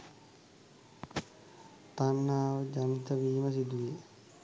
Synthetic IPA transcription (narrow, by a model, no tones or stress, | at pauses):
t̪anːaːʋəd͡ʒanit̪əʋiːməsid̪uje